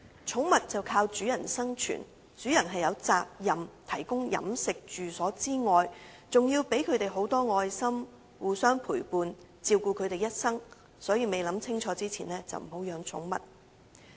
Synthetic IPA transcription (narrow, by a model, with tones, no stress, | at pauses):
t͡ʃʰʊ˨˥ŋmɐ˨t̚t͡sɐ˨wkʰaː˧wt͡ʃyː˨˥jɐ˨˩nsɐ˥ŋt͡ʃʰy̰˨˩n | t͡ʃyː˨˥jɐ˨˩nɦɐ˨jɐ˨˧wt͡saː˨k̚jɐ˨mt̪ʰɐ˨˩jkʊ˥ŋjɐ̰˨˥msɪ˨k̚t͡ʃyː˨sɔː˨˥t͡siː˥ŋɔː˨jt͡sʊ˨ŋjiː˧wpe˨˥jkʰɵ˨˧t̪e˨jɦo˨˥wt̪ɔː˥ŋɔː˧jsɐ˥m | wuː˨˧sœː˥ŋpʰuː˨˩jpuː˨n | t͡siː˧wkuː˧kʰɵ˨˧ɥt̪e˨jɐ˥t̚sɐ˥ŋ | sɔː˨˥jiː˧me˨jlɐ˨˥mt͡sʰɪ˥ŋt͡ʃʰɔː˨˧˥t͡siː˥t͡sʰiː˨˩nɛː˥t͡sɐ̰˨wm̩˨˩ho˨˥wjœː˨˧ŋt͡ʃʰʊ̰˨˥ŋmɐ̰˨t̚